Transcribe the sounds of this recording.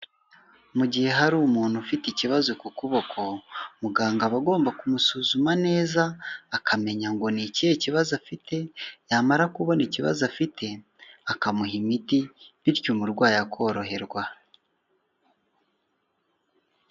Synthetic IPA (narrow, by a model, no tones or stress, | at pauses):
muɟihe̞ɦaɾuːmuːn̥hufiticiβazokukuβo̞kʰo̞muɡaːŋɡaβaɡo̞ːmbakumusuːzumane̞ːzaːkʰame̞ɲaŋɡo̞nicieciβazafite̞jamaɾakuβoniciβa̰zafitʰe̞ | akamuɦimitiβiɾcumuɾɡwaːjakʰo̞ːɾo̞ɦe̞ɾɡwa